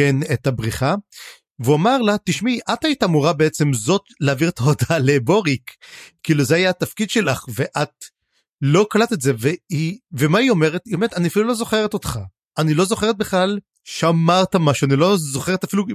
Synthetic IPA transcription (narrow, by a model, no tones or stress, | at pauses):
enetabʁiχa | veuamaʁlat̪iʃmiʔat̪ait̪aːmuʁabeet͡se̞mzo̞tleaːviʁetaodale̞bo̞ʁikkːiːluzeajaat̪afkid̪ʃe̞laχveʔat | lo̞kalat̪etzeveivemaio̞me̞ʁe̞t̪iomeʁetaniafilulo̞zo̞χeʁet̪o̞t̪χa | ʔanilo̞zo̞χe̞ʁet̚beχlal | ʃamaʁtamaʃuanilo̞zo̞χeʁetafilu